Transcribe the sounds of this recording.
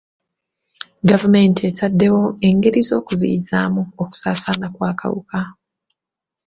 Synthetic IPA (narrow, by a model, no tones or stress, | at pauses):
ɡavume̞ntʰe̞tadːe̞wo̞e̞ŋɡe̞ɾizo̞ːkuzḭza̰ːmuoku̥saːsaːnakwaːkʰa̰wṵkʰa